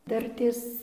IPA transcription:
ˈdɐrʲtʲeːs

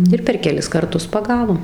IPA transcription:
ˈɪr pʲɛr kʲɛˈlʲɪs kɐrˈtʊs pɐˈɡɑːʋoːm

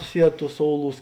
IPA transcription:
ˈsʲiɛt ˈtuːs ˈsoːʊˌlˠuːs

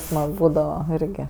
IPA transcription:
ˈsmɐk ˈbuːdɐʋɐ ˈɪrʲɡʲɪ

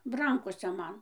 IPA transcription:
ˈrɐŋkoːsʲɛ ˈmɐn

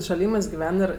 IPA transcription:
ʃɐˈlʲiːmɜs ɡʲɪˈʋʲɛn ɪr

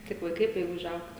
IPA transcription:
kɐɪp ʋɐɪˈkɐɪ tɐɪ ʊʒˈɐʊkt

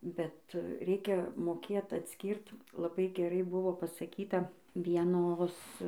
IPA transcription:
bʲɛt ˈrʲɛɪkʲɛ moːˈkʲeːt ɐtʲˈsʲkʲiːrt lˠɐˈbɐɪ ɡʲɛˈrɐɪ ˈbʊʋoː pɐsɐˈkʲiːtɐ ʋʲiɛˈnoːs

